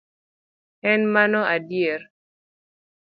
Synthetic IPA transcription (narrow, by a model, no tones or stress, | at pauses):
ɛnmanɔʔadjer